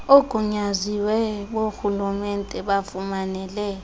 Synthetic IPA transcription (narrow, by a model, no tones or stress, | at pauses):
oɡ̥ʱuɲaziwɛɓoxulumɛntʼɛɓafumanɛlɛːjɔ